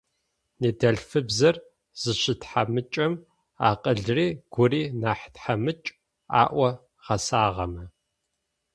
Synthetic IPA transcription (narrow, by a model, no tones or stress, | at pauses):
neːdɐɮfɨbzɐr | z̥ɨɕɪtħamɨt͡ʃʼɐm | a̰ːqʼəɮriːɡ̥ʷʊriːnaːħtħamɨt͡ʃʼ | a̰ːʔʷɐ | ʁɐsaːʁɐmɐ